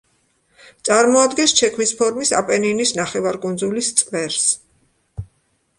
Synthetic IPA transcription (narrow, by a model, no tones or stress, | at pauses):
t̪sʼaɾmɔad̪ɡɛnst͡ʃʰɛkʰmispʰɔɾmisa̰pʼɛninisnaχɛvaɾkʼund̪zulist̪sʼvɛɾs